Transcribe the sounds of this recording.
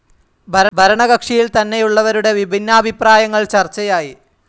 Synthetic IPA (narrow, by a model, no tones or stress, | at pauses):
bʱɐɾbʱɐɾɐɳɐɣɐkʂijilt̪ɐnːe̞juɭːɐʋɐɾuɽe̞ʋibʱinːaːbʱipraːjɐŋːɐɭt͡ɕɐrt͡ɕːɐjaːji